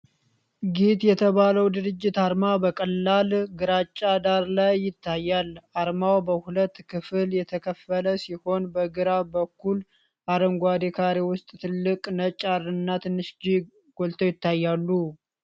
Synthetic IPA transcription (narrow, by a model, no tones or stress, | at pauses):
ɡit̪jɛt̪ʰəβaləwd̪ɨɾɨd͡ʒːɪt̪aɾmabəkʼəlːalɡɨɾat͡ʃʼːad̪aɾlajːɪt̪ʰːajːalʔaɾmawbəhulət̪ːkʰɨfɨljɛt̪ʰəkʰəfələsiho̞nbəɡɨɾabəkʰːul | ʔaɾəŋɡʷad̪ekʰaɾiwʊst̪ʼt̪ʰɨlːɨkʼnət͡ʃʼːarɨnːat̪ʰɨnːɨʃd͡ʒi | ɡ̥o̞lt̪ʰowjɪt̪ːajːalːu